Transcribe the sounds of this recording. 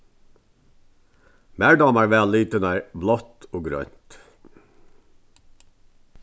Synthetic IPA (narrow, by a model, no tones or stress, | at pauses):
mæːɖɑmæːɹʋæːliːt̪ənæɹblɔt̪ʰoːɡɾœ̰ʏnt̪